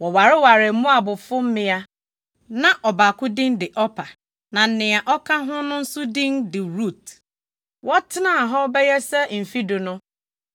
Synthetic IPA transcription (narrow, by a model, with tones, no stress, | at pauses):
wɔ˨wa˨ɾɪ˦wa˨ɾɪ˨˦mʊ̃˦a˨bʊ˨fʊ˦m̩˦mɪ̃˦a˦ | nã˦ʔɔ˨ba˨kʊ˦dɪ̃˦ndɪ˨ʔɔ˦pʰa˨ | nã˨n̩˦nɪ̃˨a˨ʔɔ˦kʰã˦ɦʊ̃˦nʊ̃˦n̩˦sʊ˦dɪ̃˦ndɪ˨ɾu˦˨t̚ | wɔ˦tʰɪ˦nã˦˨ɦɔ˦bɛ˦jɛ˦sɛ˦˨m̩˨fi˦dʊ˨nʊ̃˦